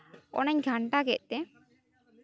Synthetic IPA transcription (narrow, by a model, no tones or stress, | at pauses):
ɔ̰nəɲɡʱaɳʈaɡɛʔt̪ɛ